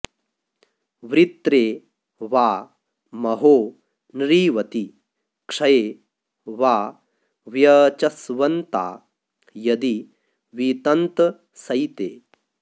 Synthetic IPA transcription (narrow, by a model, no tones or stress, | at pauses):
ʋɾit̪ɾeː | ʋaː | mɐɦoː | nɾiːʋɐt̪i | kʂɐjeː | ʋaː | ʋjɐt͡ʃɐsʋɐnt̪a̰ː | jɐd̪i | ʋit̪ɐnt̪ | sɐjt̪eː